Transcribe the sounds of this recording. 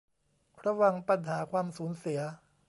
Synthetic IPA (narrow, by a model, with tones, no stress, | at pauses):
ɾa˧wa˧ŋpa˧nɦaː˩˦kʰwaː˧msuː˩˦nsi˩˦ɐ